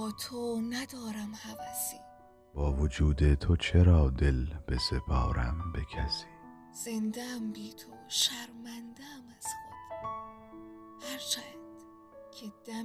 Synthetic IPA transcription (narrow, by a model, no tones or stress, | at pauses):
ɒːt̪ʰonæd̪ɒːɾæmhævæsiː | b̥ɒːvod͡ʒuːd̪et̪ʰo̞t͡ʃʰeɾɒːd̪elb̥ese̞pʰɒːɾæ̰mbe̞kʰæsi̥ː | z̥end̪æmbiːt̪ʰoʃæɾmænd̪æmæz̥xod̪̥ | hæɾt͡ʃʰænd̪̥ | cʰed̪̥æ